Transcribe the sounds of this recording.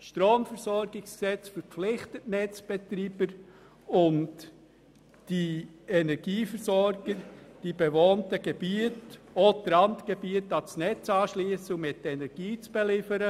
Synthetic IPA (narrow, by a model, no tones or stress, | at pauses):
ʃtɾoːmfəɾsɔɾɡɪksksɛt͡sfəɾflɪχtətnɛt͡sb̥ɛtɾiːb̥əɾ | ʊnt | d̥iɛnɛɾɡ̥iːfəɾsɔɾɡ̥əɾd̥ibevoːntəɡ̥eb̥iətodɾɑntɡ̥ebiətɑsnɛt͡sɑːʃliːsʊŋmɪtːɛnɛɾɡ̥iːt͡sb̥elɪfəɾə